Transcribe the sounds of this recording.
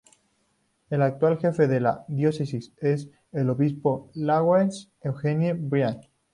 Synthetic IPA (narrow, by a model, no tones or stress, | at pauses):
e̞lak̚t̪walxe̞fe̞ðe̞la̰ðjo̞se̞sise̞s | elo̞βispo̞laɣwens | ewxenjebɾjan